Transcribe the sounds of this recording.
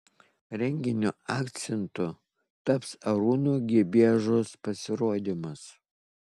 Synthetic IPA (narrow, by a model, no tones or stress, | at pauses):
ɾʲɛŋʲɡʲɪnʲuɑːkt̪sʲɛnt̪ʊ | t̪ɐpsɐɾuːnuːɡʲiɛbʲiːɛʒʊspɐsʲɪɾoːd̪ʲimɐs